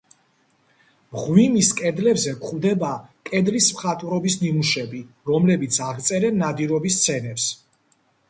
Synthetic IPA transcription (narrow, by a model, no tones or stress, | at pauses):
mʁwimiskʼɛd̪lɛbzɛkχvd̪ɛbakʼɛd̪lismχat̪ʼuɾɔbisnimuʃɛbi | ɾɔmlɛbit̪sʰaʁt̪sʼɛɾɛnad̪iɾɔbist̪sʰɛnɛps